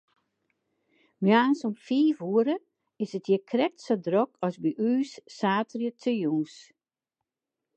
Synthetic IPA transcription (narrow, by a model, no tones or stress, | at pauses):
mjaːnsɔmfiːfuəɾə | ɪsətʰjəkʰrɛk̚tsodrɔkʰɔsbiʔyːsːaːtrjətʰəjuːs